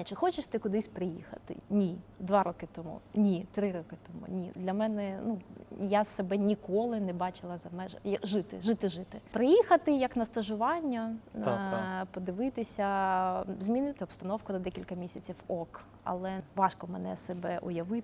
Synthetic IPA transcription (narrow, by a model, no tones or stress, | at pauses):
t͡ʃɪxɔt͡ʃɪʂt̪ɪkʊd̪ɪsʲpɾɪjixɐ̰t̪ɪ̰nʲid̪ʋɑɾɔkɪt̪ɔmṵnʲit̪ɾɪɾɔkɪt̪ɔmṵnʲid̪lʲɐmɛnɛnujasebɛnʲikɔlˠɪnɛbɑt͡ʃɪlˠɐzɐmɛʒɐjɐʒɪt̪ɪ̰ʒɪt̪ɪʒɪt̪ɪpɾɪjixɐt̪ɪjɐknɐst̪ɐʒʊʋɑnʲːɐ | pɔd̪ɪʋɪt̪ɪsʲɐ | zʲmʲinɪt̪ɪɔpst̪ɐnɔwkʊnɐd̪ɛkʲilʲkɐmʲisʲɐt͡sʲiwɔk | ɐ̰lˠɛʋɑʃkɔmɛnɛ̰sebɛʔʊ̰jɐʋɪ